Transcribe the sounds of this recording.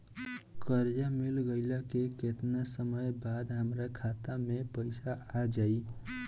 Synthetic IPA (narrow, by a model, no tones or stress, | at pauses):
kəɾd͡ʒamilɡəɪlakeket̪nasəməjbad̪ɦəmɾakʰat̪amepəɪsaad͡ʒai